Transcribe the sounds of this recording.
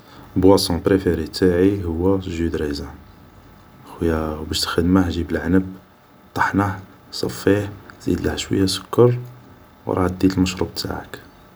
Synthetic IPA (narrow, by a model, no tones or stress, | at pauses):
bwæsˤɔ̃pɾefeɾit̪ʰaʕihʊwːæʒud̪ɾizæ | xwəjæbæʃt̪xəd̪mahʒibəlʕanəb | t̪ˤɑ̥ħnaħ | sˤɑfːiħz̥ḭd̪laʕʃwə̰jːæsʊ̥kːɑɾˤ | w̰ɾˤɑ̰ʕd̪ːit̪əlməʃɾˤṵb̚t̪ʰa̰ʕə̰k